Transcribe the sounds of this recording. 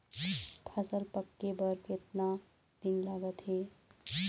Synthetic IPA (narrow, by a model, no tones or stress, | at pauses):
pʰasəlpəkːebəɾket̪na | d̪̥inlaɡət̪ɦe